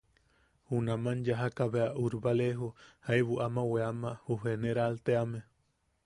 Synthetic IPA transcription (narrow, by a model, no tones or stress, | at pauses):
hunamanjaɦakaβeaʔuɾbaleɦuhajβuʔamaweamahuɦeneɾalt̪eame